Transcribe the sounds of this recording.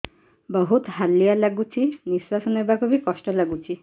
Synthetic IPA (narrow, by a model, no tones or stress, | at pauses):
bɔɦut̪halːijalaɡut͡ʃʰiniswasɔnebakubikɔsʈɔlaɡut͡ʃʰi